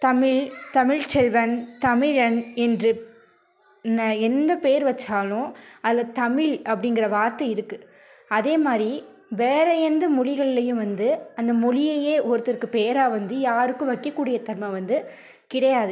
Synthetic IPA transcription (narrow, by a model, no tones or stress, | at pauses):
t̪ɐmɪɭt̪ɐmɪɻt͡ʃɛlʋɐnt̪ɐmɪɻɐnɛndrɯ | nːɐɛnd̪ɐpeːɐɾʋɐt͡ʃːaːlʊ̃ɐðɪlːɐðt̪ɐmɪɭʔɐpːɐɽɪnɡɪɾɐʋaːɾt̪ɐɪɾɯkːɯ | ɐðeːmaːd̪ɾi | ʋeːɾɐjɛnd̪ɐmʊɻɪɣɐɭɪlɐjɯ̃ʋɐnd̪ɯɐnd̪ɐmʊɻɪjɐjeːʔɔɾɯt̪ːɐrkɯpeːɐɾaːʋɐnd̪ɯjaːɾɯkːɯ̃ʋɐkːɐkːuːɽɪjɐt̪ɐɾmɐʋɐnd̪ɯ | kɪɽɐjaːðɯ